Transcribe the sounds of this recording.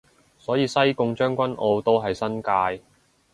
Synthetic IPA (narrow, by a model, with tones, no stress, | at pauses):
sɔː˨˥jiː˨˧sɐ˥jkʊ˧ŋt͡ʃœː˥ŋkʷɐ˥nʔo˧wt̪o˥wɦɐ˨jsɐ˥nkaː˧j